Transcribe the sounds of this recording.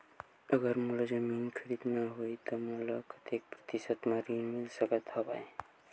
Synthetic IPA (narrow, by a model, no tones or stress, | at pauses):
əɡəɾmuləd͡ʒəminkʰəɾid̪maɦoit̪ɔmuləkət̪jek̚pɾə̥t̪isət̪mãɾinmilsəkət̪ɦɔbae